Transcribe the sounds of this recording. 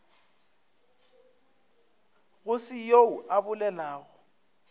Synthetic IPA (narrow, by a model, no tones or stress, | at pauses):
ɣʊsɪjouʔabʊlɛlaːɣʊ